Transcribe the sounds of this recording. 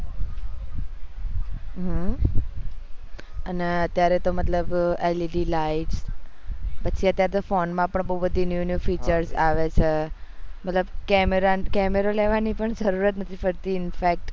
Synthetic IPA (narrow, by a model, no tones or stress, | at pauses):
ɦə | əneət̪jaɾet̪omət̪ləbeliɖilaiʈs | pətːʃʰiət̪jaɾet̪ofonmãpəɳbəɦubəd̪ʱinjunjufit͡ʃəɾsaʋet͡ʃʰemət̪ləbkɛmeɾakɛmeɾolɛʋanipəɳd͡ʒəɾuɾət̪nət̪ʰifəɾt̪iɪnfɛk̚ʈ